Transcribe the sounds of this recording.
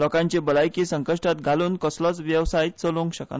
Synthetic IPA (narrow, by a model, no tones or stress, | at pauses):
lɔkãɲt͡ɕebəlajkisəŋkəʂʈat̪ɡʱaluːnkəslɔt͡sʋjəwsajt̪̚t͡səlõŋɡɕəka̰